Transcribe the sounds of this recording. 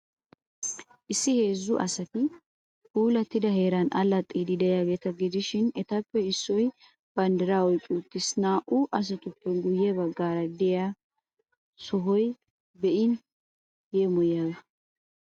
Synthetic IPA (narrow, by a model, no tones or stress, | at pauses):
ʔɪsːɪhe̞ːzːʊʔɐ̰sɐt̪ɪ | uːlɐt̪ːɪd̪ɐɦeːɾɐnʔɐlːɐt̪ʼːiːd̪ɪd̪ɛjaːɡe̞ːt̪ɐɡɪd̪ɪʃɪnɛt̪ɐpːɛɪsːɔj | b̥ɐnd̪ɛɾaːɔjkʼːuːt̪ːɪsnaːʔʊʔɐs̬ɐt̪ʊpːɛɡʊjːɛbɐɡːaːɾɐd̪ɛja | sɔɦɔj | bɛʔɪn | jeːmɔjaːɡɐ